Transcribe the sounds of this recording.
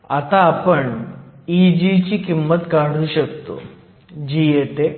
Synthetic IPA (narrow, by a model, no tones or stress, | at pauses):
ɐt̪aːpəɳid͡ʑit͡ɕiːkimːət̪kaɽ̤uːɕəkt̪o̰ | d͡ʑijet̪e